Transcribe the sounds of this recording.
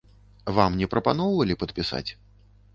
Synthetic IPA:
vamnʲɛpɾɐpanɔwvɐlʲipɐt̪̚pʲisa̰t͡sʲ

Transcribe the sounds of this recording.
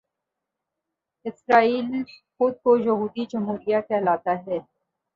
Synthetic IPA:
ɪsɾaːiːlxʊd̪̚kojɐɦuːd̪id͡ʒɐmɦuːɾijakʰɛːlaːt̪aɦɛː

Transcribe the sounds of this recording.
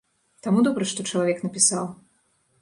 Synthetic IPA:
t̪amud̪ɔbɾɐʂt̪ɔt͡ʂɐlˠavʲɛknɐpʲisaw

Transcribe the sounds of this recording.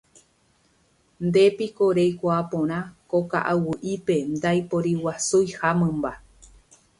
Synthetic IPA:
nd̪e̞pikoɾejkʷaːpõɾ̃ãkoka̰ʔawɨʔipe̞nd̪ajpoɾiwasujhamɨ̃mba

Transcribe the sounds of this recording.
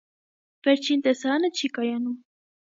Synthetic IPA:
vɛɾt͡ʃʰint̪ɛsɑɾɑnət͡ʃʰikɑjɑnum

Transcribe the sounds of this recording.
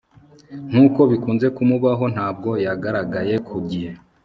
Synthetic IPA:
n̥uːko̞βikuːnze̞kumuβaɦo̞n̥haːb̚ɡo̞jaɡaɾaɡaje̞kʰuɟihe̞

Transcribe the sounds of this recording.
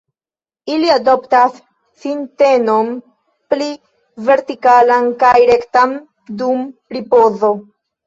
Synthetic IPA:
iliado̞ptasː | inte̞no̞n | pli | ve̞ɾtikalankajɾe̞ktan | dumɾipo̞zo̞

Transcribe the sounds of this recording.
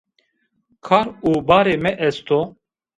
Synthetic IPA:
kʰaːɾuːbaːɾeːmɛʔɛst̪o

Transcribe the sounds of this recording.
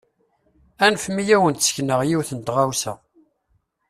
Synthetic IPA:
ænfmijæwənt̪sçnəʁjiwθənt̪ʁawsæ̰

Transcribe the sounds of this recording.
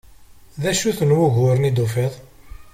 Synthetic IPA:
ðæʃuθənwʊʝʊɾənid̪ufiðˤ

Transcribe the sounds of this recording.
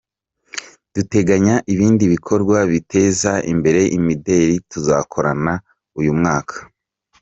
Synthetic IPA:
d̥ute̞ɡaɲaʔiβiːndiβikʰo̞ɾɡwaβitʰe̞ːzaʔḭmbe̞ɾe̞ʔimide̞ɾituzakʰo̞ɾana | ujumŋaːkʰḁ

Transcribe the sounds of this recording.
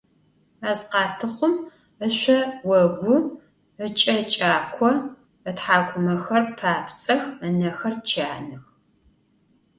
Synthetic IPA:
aːzqɑːtʰɨχʷʊm | əɕʷɐwɐɡʷʊ | ət͡ʃʼɐt͡ʃʼaːkʷʰɔ | ətħaːɡʷʊmɐxɐrpʰaːpʰt͡sʼɐxənɐxɐrt͡ʃʰaːnɨx

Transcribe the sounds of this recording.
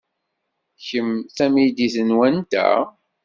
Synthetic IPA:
çəmθæmid̪iθənwænt̪æ̰

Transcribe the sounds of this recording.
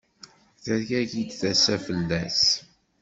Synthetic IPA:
θæɾʝæʝid̪θæsæfəlːæs

